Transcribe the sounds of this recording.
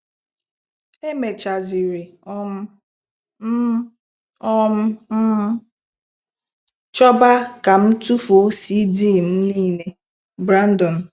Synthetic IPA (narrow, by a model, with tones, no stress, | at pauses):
e˦me˨t͡ʃa˨zi˨ɾe˨ɔ˦m̩˦ | m̩˦ | ɔ˦m̩˦ | t͡ʃɔ˦ba˦ka˨m̩˦tu˦fo˨˦si˦diː˦˨n̩˦li˦˨ne˦ | bɾa˦n˦dɔ˨n̩˨